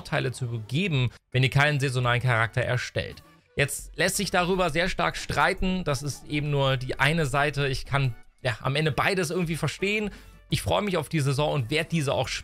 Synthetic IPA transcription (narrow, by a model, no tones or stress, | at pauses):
tʰaɪlət͡subəɡeːbm̩vɛniːɐkʰaɪnənzezonaːlənkʰaʁak̚tɐʔɛ̰ɐʃtɛ̰lt | jɛt͡stlɛstz̥ɪçd̥aʁ̞yːbɐzeːɐʃta̰ɐkʃtʁ̥aɪtn̩d̥asɪstʔeːbm̩nuːɐdiːʔaɪnəzaɪtəɪçkʰanjaːʔa̰mʔɛndəbaɪdəs̬ʔɪɐɡŋ̩tv̥iːfɛɐʃteːən | ʔɪçfʁ̥ɔʏəmɪçaʊfd̥iːzezɔ̃ŋʊntv̥eːɐd̚əd̥iːzəa̰ʊxʃ